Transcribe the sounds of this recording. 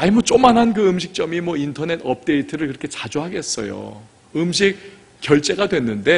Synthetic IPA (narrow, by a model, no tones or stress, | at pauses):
aimʌt͡ɕ͈omanɦankɯɯmɕʰik̚t͡ɕ͈ʌmimwʌintʰʌne̞tʌp̚t͈e̞itʰɯɾɯɭkɯɾʌkʰe̞t͡ɕad͡ʑuɦaɡe̞s͈ʌ̰jo̰ | ɯmɕʰik̚ | k͈jʌɭt͡ɕ͈e̞ɡadwe̞nːɯnde̞